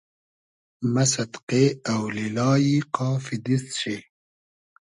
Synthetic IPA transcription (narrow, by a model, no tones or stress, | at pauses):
mɐsɐd̪qeawlilɑːjiqɑːfid̪isɕi